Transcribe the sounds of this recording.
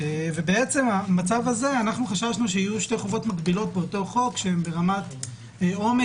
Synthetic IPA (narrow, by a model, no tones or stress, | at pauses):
eve̞beet͡se̞mamat͡savaze̞anaχnuχaʃaʃnuʃeijuʃte̞jχovo̞tmaɡbilo̞t̚beoto̞χo̞kʃeembe̞ʁamat | ome